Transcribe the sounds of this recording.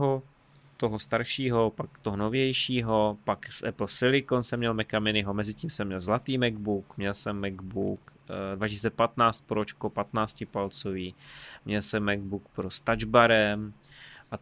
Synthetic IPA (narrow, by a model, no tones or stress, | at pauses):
ɦo | t̪oɦost̪aɾʃiːɦo̞pakt̪oɦonovjɛjʃiːɦo̞paksʔɛ̰pl̩sɪlɪkonsɛmːɲɛlmɛkamɪnɪɦomɛzɪcimsɛmɲɛlzlat̪iːmɛɡ̚bukmɲɛlsɛmːɛɡbuk | dvacɪsiːt͡sɛpat̪naːt͡st̪̚poɾot͡ʃkopat̪naːt͡scɪpalt͡soviːmɲɛlsɛmːɛɡ̚buk̚pɾost̪ad͡ʒbaɾɛm | ʔa